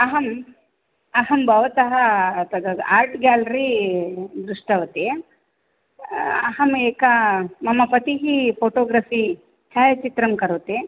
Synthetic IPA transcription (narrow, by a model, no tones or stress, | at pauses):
ɐɦɐm | ɐɦɐmbʱɐʋɐt̪ɐɦɐt̪ɐɐaːɾʈɡjaːlɐɾi | d̪ɾuʂʈɐʋɐt̪e | ɐ̰ɦɐmeːkɐmɐmɐpɐt̪iɦipʰoːʈoːɡɾɐfi | t͡ʃaːjɐt͡ʃit̪ɾɐmkɐɾuʋt̪e